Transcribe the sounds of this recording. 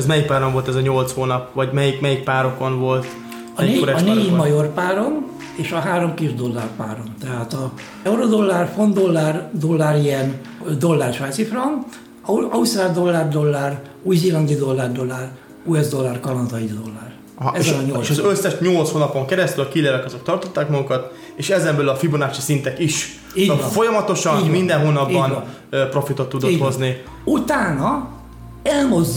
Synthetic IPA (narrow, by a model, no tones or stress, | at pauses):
zmɛjik̚paːɾoɱvo̞lt̪ɛzɒɲolt̪shoːnɒpʋɒɟmɛjikmɛjik̚paːɾo̞ko̞nvo̞lt̪ | ɒeːoɾɛneːmɒjo̞rpaːɾo̞n | eːʃɒɦaːɾo̞mkiʒd̪o̞lːa̰rpa̰ːɾo̞nt̪ɛɦaːt̪ɒ | ɛuɾo̞d̪o̞lːarfo̞nd̪o̞lːard̪o̞lːaːɾiɛn | d̪o̞lːaːrʃaːt̪sifrɒŋ | ɒust̪raːd̪o̞lːard̪o̞lːar | ujzilɒŋɡid̪o̞lːard̪o̞lːar | uɛzd̪o̞lːarkɒlɒnzɒid̪d̪o̞lːar | ɛzːɛlɒɲolːsʃɒzøsːɛʃɲolt̪shoːnɒpo̞ŋkɛɾɛst̪ylɒkileːlɛkɒzo̞kt̪ɒrt̪o̞t̪ːaːkmɒɡukɒt̪ | eːʃɛzɛmbøːlɒfibonaːt͡ʃisint̪ɛkiʃ | iːɟvfo̞jɒmɒt̪o̞ʃɒnimind̪ɛnɦoːnɒbiːɒnn | pɾo̞fit̪o̞t̪ːud̪oozni | ut̪aːnɒ | ɛlmo̞zː